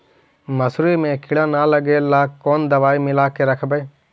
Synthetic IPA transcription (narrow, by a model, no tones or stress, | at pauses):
məsɾiːmẽːkʰɪɽãːnaːləɡeːlaːkːoːnd̪əʋaːimɪlaːkeɾəkʰbeː